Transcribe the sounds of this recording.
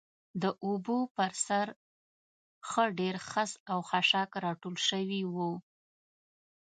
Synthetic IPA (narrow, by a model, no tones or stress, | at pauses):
d̪əʔubopəɾsaɾ | xəɖeɾxasawxaʃakɾɑʈolʃəwiwu